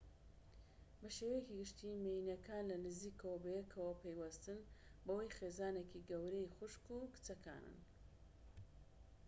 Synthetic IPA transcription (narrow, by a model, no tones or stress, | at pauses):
bɐʃewejekiɡɨʃt̪imejinɐkaːnlɐnɨziːkɐwɐbejekʰɐwɐpʰejwɐst̪ɨnbɐwɐjχezaːnekiɡɐwɾejχʊʃkukɨ̥t͡sɐkʰa̰ːnɨ̰n